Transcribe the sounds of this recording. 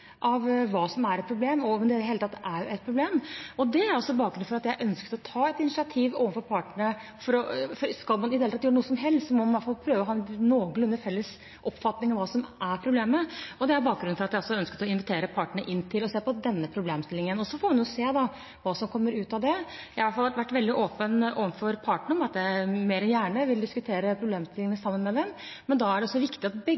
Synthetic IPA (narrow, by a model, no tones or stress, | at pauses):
ʔɑʋʋɑːsɔmæɾɛt̪̚pʰɾʊbleːmɔmɛnd̪ɛheːlət̪ʰɑt̪ːæɾjʊʔɛt̪̚pʰɾʊbleːmɔd̪ɛæɾɔsɔbɑːk̚ɡɾʉnfɔɾɑt̪jæɪʔœnskət̪ɔt̪ʰɑːɛt̪ɪnɪsɪɑt̪ʰiːʋoːʋənfɔɾpʰɑːʈəɳə | fɔɾɔfɔɾskɑlmɑnɪd̪helt̪ʰɑt̪jøːɾənuːəsɔmɦɛlst̪sɔmɔmɑnʋɑt̪fɑlpʰɾøːʋəɔɦɑnoːɡəlʉnːəfɛlːəs | ʔɔpfɑt̪nɪŋɑʋɑːsɔmʔæɾpʰɾʊbleːməɔd̪ɛæɾbɑːk̚ɡɾʉn̩fɔɾɑt̪d̪æɪɔsɔœnskət̪ɔɪnʋɪt̪ʰeːɾəpʰɑːʈəɳəʔɪnːt̪ʰɪlɔseːpɔd̪ɛnːəpʰɾʊbleːmst̪ɪlɪŋənɔsɔfoːmɑnjʊseːd̪ɑ | ʋɑːsɔmkʰɔmːəɾʉːt̪ɑʋd̪ɛ | jæɪʋɑʈ̪fɑlʋæʈʋæʈːʋɛld̪ɪʔoːpəno̰ːʋənfɔɾpʰɑːʈəɳəɔmɑt̪̚d̪ɛæmeːɾɛnjæːɳəʋɪld̪ɪskʉt̪ʰeːɾəpʰɾʊbleːmst̪ɪlɪŋənəsɑmːənmɛd̪ɛmmɛnd̪ɑæɖɛɔsːɔʋɪkt̪ɪɑt̪bɛ